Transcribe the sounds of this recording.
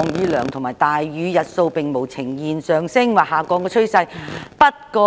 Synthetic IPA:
ŋjyː˨˥lœː˨˩ŋt̪ʰʊ˨˩maː˨˩jt̪aː˨jɥyː˨˧jɐ˨t̚so˧wpɪ˨ŋmo˨˩wt͡sʰɪ˨˩ŋjiː˨nsœː˨˩ŋsɪ˥ŋwaː˨˩haː˨˩kɔː˧kɔː˧t͡ʃʰɵ˥ɥsɐ˧jpɐ˥t̚kɔː˧

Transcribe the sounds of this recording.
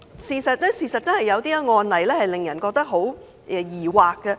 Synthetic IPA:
siː˨˧sɐ˨t̚lɛː˥siː˨sɐ˨t̚t͡sɐ˥nhɐ˨jːɐ˨˧wt̪iː˥ŋɔː˧nlɐ˨˩jlɛː˥hɐ˨jlɪ˨ŋjɐ˨˩nkɔː˧k̚t̪ɐ˥k̚ɦo˨˥w | ʔɛ˨˧jiː˨˩waː˨kːɐ˧

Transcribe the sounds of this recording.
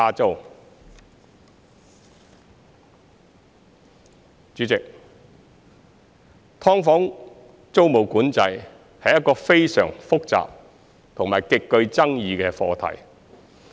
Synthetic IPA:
aː˧t͡so˥w | t͡ʃyː˨˥t͡sɪ˨k̚ | t̪ʰɔː˥ŋfɔː˨˥ŋ | t͡so˥wmo˨˩wkuː˨˥nt͡sɐ˨˧j | hɐ˨jɐ˥t̚kːɔː˧fe˥jsœ̰ː˨˩ŋfʊ˥k̚t͡sa̰ː˨p̚ | t̪ʰʊ˨˩ŋmaː˨˩jkɪ˨˧kkɵ˧ɥt͡sɐ˥ŋjiː˧kɛː˧fɔː˧t̪ʰɐ̰˨˩j

